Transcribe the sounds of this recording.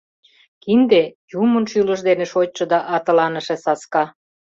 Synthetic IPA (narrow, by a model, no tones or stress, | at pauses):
kind̪ejumənʃylə̆ʃd̪eneʃoj̚ʲt͡ʃɤ̆d̪ɑʔɑt̪ə̆lɑnəʃesɑskɑ